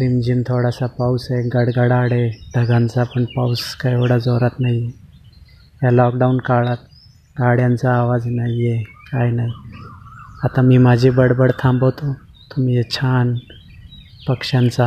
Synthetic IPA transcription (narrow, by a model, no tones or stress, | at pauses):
pɾimd͡ʒint̪ʰoɽasapawseɡəɽɡəɽaːɽeɖʱəɡant͡sapəɳpawskajoɽad͡zoːɾat̪naije | jalɔːkɖaunkaɭat̪̚ | ɡaɽjãnt͡saːʋaːd͡znaijekaːjnai | at̪ãmiːmaːd͡ʑʱiːbəɽbəɽt̪ʰãmbot̪o | t̪umiet͡ɕʰaːn | pəkʂant͡sa